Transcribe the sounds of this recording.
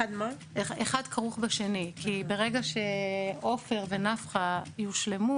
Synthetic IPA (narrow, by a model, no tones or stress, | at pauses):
ad̪ma | eχadkʰaʁuχbaʃe̞nikibe̞ʁe̞ɡaʃe̞o̞fe̞ʁve̞nafχajuʃle̞mu